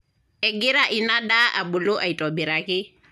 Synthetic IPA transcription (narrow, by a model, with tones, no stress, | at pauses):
ɛɡi˦ɾa˦ʔina˦ɗa˦ʔa˨ɓu˨lo˦ʔa˨i˨tɔbi˨ɾaki˦